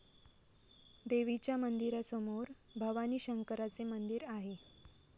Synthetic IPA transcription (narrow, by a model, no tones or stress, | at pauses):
d̪eʋit͡ɕjamənd̪iɾasɔmoɾ | bʱəʋaniːɕəŋkəɾat͡semənd̪iɾaɦe